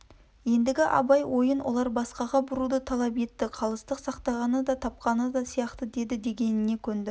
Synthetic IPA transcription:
je̞nd̪ɪɡʲɪʔɑ̰bɑjwo̞jənwʔo̞̰lˠɑɾbɑsqɑʁɑbʊɾud̪ət̪ʰɑlˠɑp̬e̞t̪ːɪqʰɑlˠəst̪əqsɑqt̪ɑʁɑnəd̪ɑt̪ʰɑp̚qɑnəd̪ɑsijɑqt̪əd̪e̞d̪ɪd̪e̞ɡʲe̞nɪne̞kʲʰɵnd̪ɪ

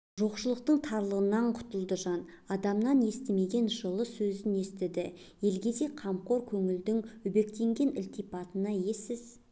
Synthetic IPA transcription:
ʒo̞qʃəlˠəq̚t̪əɴt̪ʰɑɾlˠəʁənɑɴqʰʊ̥t̪əlˠd̪əʒɑnɑd̪ɑmnɑne̞st̪ɪme̞ɡʲe̞nʒəlˠəsɵzɪne̞st̪ɪd̪ɪ | je̞lɡʲe̞se̞qʰɑmqo̞ɾkʲʰɵŋɪld̪ɪŋɵbe̞kt̪e̞ŋɡʲe̞nɪlt̪ijpɑt̪ənɑje̞sɪz

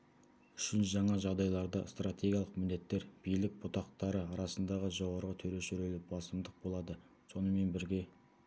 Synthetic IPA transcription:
ʏʃɪnʒɑɴɑʒɑʁd̪ɑjlˠɑɾd̪ɑ̰st̪rat̪ʲʰe̞ɡʲijɑlˠəqmɪnd̪e̞t̪ːe̞ɾb̥ijlɪk̚bʊt̪ɑqt̪ɑɾəɑɾɑsənd̪ɑʁəʒo̞ʁɑɾʁət̪ʰɵɾe̞ʃʏɾe̞lɪbɑsəmd̪əq̚bo̞lˠɑd̪ə | so̞nəme̞nbɪɾɡʲe̞

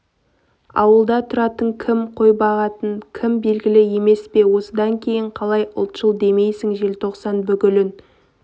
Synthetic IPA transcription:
ɑ̰wəlˠd̪ɑt̪ʰʊɾɑt̪əɴkʲʰɪmqʰo̞jbɑʁɑt̪əɴkʲʰɪmbe̞lɡʲɪlɪje̞me̞spe̞wo̞səd̪ɑŋkʲʰe̞jɪɴqʰɑlˠɑjʊ̰lˠt̪ʃəlˠd̪e̞me̞jsɪŋʒe̞lt̪ʰo̞qsɑnbʏɡʲɪlɪn

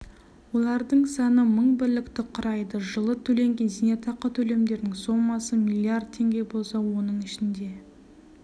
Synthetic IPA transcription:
wo̞lˠɑɾd̪əɴsɑnəməɴbɪɾlɪkt̪ɪqʰʊɾɑjd̪əʒəlˠət̪ʰɵle̞ŋɡʲe̞nzinet̪ʰɑqət̪ʰɵle̞md̪e̞ɾnɪŋso̞mːɑsəmʲilʲˠiard̪̚t̪ʰe̞ŋɡʲe̞bo̞lˠsɑwo̞nəɴɪʃɪnd̪e̞

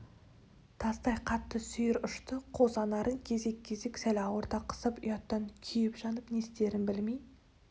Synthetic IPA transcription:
t̪ʰɑst̪ɑjqʰɑt̪ːəsʏjɪɾʊʃt̪əqʰozɑnɑɾəŋkʲʰe̞ze̞kʲʰːe̞ze̞ksælɑwoɾt̪ɑqʰə̥səpʊjɑt̪ːɑŋkʲʰijɪpʒɑnəpne̞st̪e̞ɾɪnbɪlmej

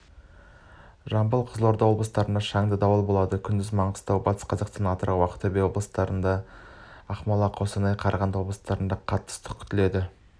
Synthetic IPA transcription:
ʒɑmbəlˠqʰəzəlˠo̞ɾd̪ɑwo̞blˠəst̪ɑɾənd̪ɑʃɑŋd̪əd̪ɑwəlˠbo̞lˠɑd̪əkʲʰʏnd̪ɪzmɑɴəst̪ɑwbɑt̪ə̥sqʰɑzɑqst̪ɑnɑt̪ɾɑwɑqə̥t̪ʰːɵbewo̞blˠəst̪ɑɾənd̪ɑ | ɑχmɑlˠɑqʰosənɑjqʰɑɾʁɑnd̪wo̞blˠəst̪ɑɾənd̪ɑqʰɑt̪ːə̥st̪ʰə̥kʲʰʏ̥t̪ɪle̞d̪ɪ

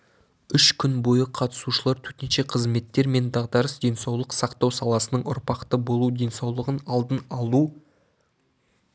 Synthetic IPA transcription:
ʏʃkʲʰʏnbo̞jəqʰɑt̪ə̥suʃəlˠɑɾt̪ʰɵt̪ɪnʃe̞qʰəzme̞t̪ːe̞ɾme̞nd̪ɑʁd̪ɑɾəsd̪e̞nsɑwlˠəqsɑqt̪ɑwsɑlˠɑsənəɴʊ̰ɾpɑqt̪əbo̞lˠud̪e̞nsɑwlˠəʁənɑlˠd̪ənɑlˠu

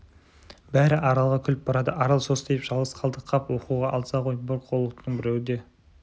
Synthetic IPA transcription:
bæɾɪʔɑɾɑlˠʁɑkʲʰʏlɪp̚bɑɾɑd̪əʔɑɾɑlˠso̞st̪ejɪpʒ̥ɑlˠʁəsqʰɑlˠd̪əqʰɑpwo̞quʁɑʔɑlˠsɑqʰo̞jboɾk̚qʰolˠəqt̪ənəɴbɪɾewɪd̪e̞

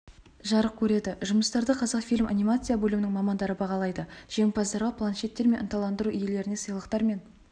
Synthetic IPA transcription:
ʒɑɾəq̚kʲʰɵɾe̞d̪ɪʒʊməst̪ɑɾd̪əqʰɑzɑqfijlʲma̰nʲijmat̪sɨjabɵlʲumɪnɪŋmɑmɑnd̪ɑɾəbɑʁɑlˠɑjd̪əʒ̥e̞ŋpɑzd̪ɑɾʁɑpʰlˠanʃe̞t̪ːe̞ɾmenənt̪ɑlˠɑnd̪əɾuʔʏje̞le̞ɾɪne̞səjlˠəqt̪ɑɾme̞n

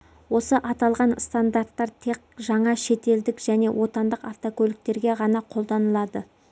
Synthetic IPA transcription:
wo̞səʔɑt̪ɑlˠʁɑnst̪and̪art̪ːɑɾt̪ʰe̞q̚ʒɑɴɑʃe̞t̪e̞ld̪ɪkʒæne̞wo̞t̪ɑnd̪əqaft̪okʲɵlʲɪk̚t̪e̞ɾɡʲe̞ʁɑnɑqʰo̞lˠd̪ɑnəlˠɑd̪ə

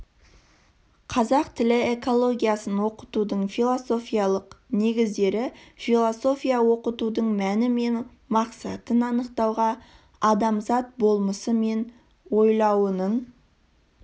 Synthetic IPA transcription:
qʰɑzɑqt̪ʰɪlɪe̞ko̞lˠo̞ɡʲijasənwo̞qə̥t̪ud̪əɴfijlˠoso̞fʲijɑlˠəqne̞ɡʲɪzd̪e̞ɾɪfilˠoso̞fʲijɑwo̞qət̪ud̪əɴmænɪme̞n | mɑqsɑt̪ənɑnəqt̪ɑwʁɑ | ɑd̪ɑmzɑt̪̚bo̞lˠməsəme̞n | wo̞jlˠɑwənəɴ

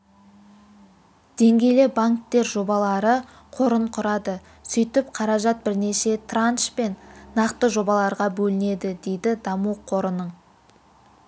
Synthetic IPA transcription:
d̪̥e̞ŋɡʲe̞jlebaŋk̚t̪e̞ɾʒo̞bɑlˠɑɾə | qʰo̞ɾəɴqʰʊɾɑd̪ə | sʏjt̪ɪpqʰɑɾɑʒɑt̪̚bɪɾne̞ʃe̞t̪ʰranʃpe̞nːɑqt̪əʒo̞bɑlˠɑɾʁɑbɵlɪne̞d̪ɪd̪e̞jd̪ɪd̪ɑmuqʰo̞ɾənəɴ

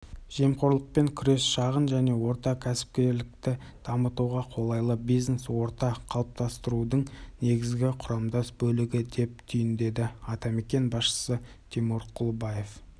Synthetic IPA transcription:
ʒ̥e̞mqoɾlˠəq̚pe̞ŋkʲʰʏɾe̞sʃɑʁənʒæne̞wo̞ɾt̪ɑkʲʰæsɪ̥p̚kʲe̞ɾlɪk̚t̪ɪ | d̪̥ɑmət̪uʁɑqʰo̞lˠɑjlˠəbijzneswo̞ɾt̪ɑqʰɑlˠəp̚t̪ɑst̪əɾud̪əɴne̞ɡʲɪzɡʲɪqʰʊɾɑmd̪ɑsbɵlɪɡʲɪd̪e̞p̚t̪ʰʏjɪnd̪e̞d̪ɪɑt̪ɑme̞kʲe̞nbɑsʃə̥sə | t̪ʲʰemuɾqʰʊlˠbɑje̞f

